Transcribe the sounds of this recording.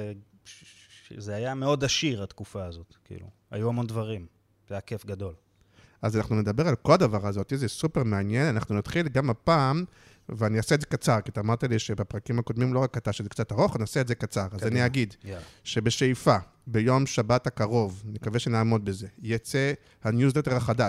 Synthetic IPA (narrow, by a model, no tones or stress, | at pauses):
e | zeajameo̞d̪aʃiʁat̪kufaːzo̞t̪kḭlṵ | a̰juamond̪vaʁim | jakefɡad̪o̞l | azanaχnune̞d̪abe̞ʁalko̞lad̪avaʁazo̞t̪izesupeʁmeanje̞nanaχnunat̪χilɡamapaːm | veaniasetzekat͡saʁkiat̪aːmaʁt̪aliʃebapʁakimhako̞d̪mimlo̞ʁakat̪aʃezekt͡sat̪aʁo̞χaniaseetzekat͡saʁazaniaɡid̪ʃe̞be̞ʃejfa | be̞jo̞mʃabat̪hakaʁo̞vnikaveʃenaːmo̞d̪̚beze̞jat͡se | hanjuzlet̪eʁhaχad̪a